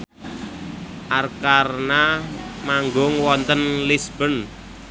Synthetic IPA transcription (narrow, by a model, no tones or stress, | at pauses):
ʔarkarnamaŋɡʊŋwɔnt̪ənlisb̥ə̤n